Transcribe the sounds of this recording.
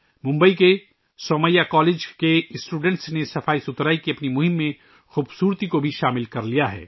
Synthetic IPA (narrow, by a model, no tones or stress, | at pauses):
mʊ̃mbəike | sɔːməijakɔːleːd͡ʒkesʈuːɖɛ̃ɳʈsnesɐfaːisʊt̪ɾaːikiɐpnimʊɦɪ̃mːẽ | xuːbsuːɾt̪ikobʱiʃaːmɪlkɐɾlijaɦɛ̰ː